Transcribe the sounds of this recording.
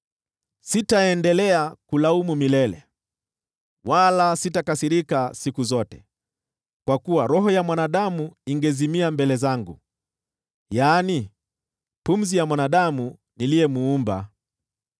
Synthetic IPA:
sitaɛndɛlɛakulaumumilɛlɛ̰ | walasitakasiɾikasikuzɔtɛ̥̰ | kwakuwaɾɔɦɔjamwanaɗamuiŋɡɛzimiambɛlɛzaŋɡu | jaːni | pum̩zijamwanaɗamu | nilijɛmuumba̰

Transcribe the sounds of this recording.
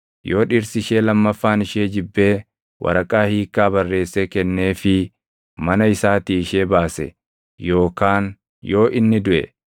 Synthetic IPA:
jo̞ːᶑɪɾsɪʃeːlɐmːɐfːaːnɪʃeːd͡ʒɪbːe̞ː | wʔɐ̰ɾɐkʼaːhiːkːaːbɐrːe̞ːsːɛkɛnːe̞ːfɪ | mɐnɐɪsaːt̪iːɪʃeːbaːsɛ̰ | jo̞ːkaːn | jo̞ːʔɪnːɪd̪ʊʔɛ̰

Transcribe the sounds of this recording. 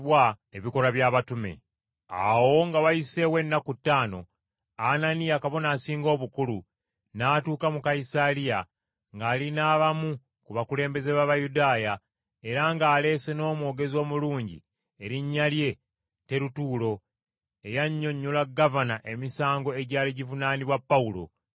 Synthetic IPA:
wa | eβiko̞ɾaβjaːβatumḛ | a̰wo̞ŋɡawajise̞we̞nːakutːaːno̞̰ | ananijakaβo̞naːsiːŋɡo̞ːβukulu | naːtuːkamukaisalija | ŋɡaːlinaːβamu | kuβakule̞ːmbe̞ze̞βaβajudaːja | e̞ɾaŋɡaːle̞ːse̞no̞ːmwoːɡe̞zo̞ːmuluːɲɟḭ | e̞ɾiɲːalje̞ | te̞ɾutuːlo̞ | e̞jaɲːo̞ɲːolaɡːavanaʔe̞misaːŋɡo̞e̞ɟaːliɟivunaːniβwapːaulo̞̰

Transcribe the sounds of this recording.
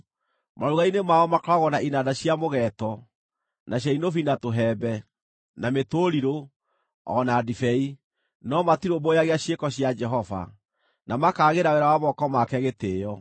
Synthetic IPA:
maɾuɣainemaɔmakɔɾaɣɔnaʔinadaɕjamoɣɛtɔ | nʔaɕ̬jainofinatoɦɛːbɛ | nametoɾiɾo | ɔ̰nadifɛi | nɔmatiɾobojaɣeaɕjekɔɕjad͡ʒɛɦɔva̰ | namakaːɣeɾawɛɾawamɔkɔmakɛɣeteːjɔ

